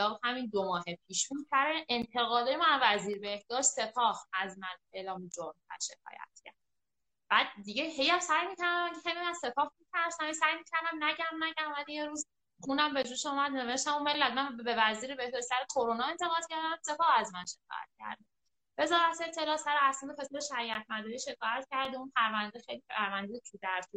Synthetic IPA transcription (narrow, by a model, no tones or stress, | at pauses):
lɒːbhæmind̪omɒːɦepʰiːʃb̥ud̪sæɾeʔent̪ʰe̞ɣɒːd̪ɒːjemanvæziːɾbe̞hd̪ɒːʃt̪se̞pʰɒːhæzmæne̞ːlɒːmid͡ʒomtæ̰ɾʃekʰɒ̰ːjæ̰t̪̚cʰæ̰ɾd̪ | bæd̪̚ːiɟeɦejæmsæjmiːcæɾd̪æmæcʰexejmimænse̞pʰɒːhmicʰæɾsæmejsæjmiːcʰæɾd̪æmnæɟæmnæɟæmvæd̪ijeɾuːz | χunæmbe̞d͡ʒuːʃumæd̪ne̞ve̞ʃt̪æmume̞lːæd̪mænbe̞væziːɾibehest̪æɾet̪ʰoɾonɒːe̞nt̪ʰe̞ɣɒːd̪̥cʰæɾd̪æmse̞fɒːæzmænʃe̞kʰɒ̰ːjæ̰t̪̚cʰæ̰ɾd̪e | ve̞zɒːɾæt̪ʰet̪ʰːe̞lɒːsæɾɛæsid̪efesleʃæɾiæt̪ʰmænd̪ɒːɾiʃe̞kʰɒːjæt̪cæɾd̪eunpʰæɾvænd̪exejlipæɾvænd̪ejet̪ʰud̪æɾt̪ʰu